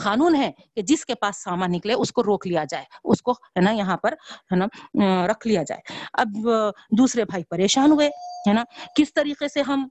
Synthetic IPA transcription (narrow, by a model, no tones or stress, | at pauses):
xaːnuːnɦɛ | ked͡ʒɪskepaːsːaːmãnɪkleʊskoɾoːklijad͡ʒaːeʊskoɦɛːnajɐɦãpɐɾɦɛːnaɾɐkʰlijad͡ʒa̰ːeːɐ̰b̚d̪uːsɾebʱaːipɐɾeːʃaːnɦʊeɦɛːnakɪst̪ɐɾiːqeseɦɐm